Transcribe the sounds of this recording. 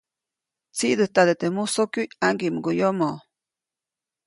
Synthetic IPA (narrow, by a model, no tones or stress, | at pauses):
t͡siʔd̪ət̪ad̪et̪emusokjujaŋɡiʔmɡojomoʔ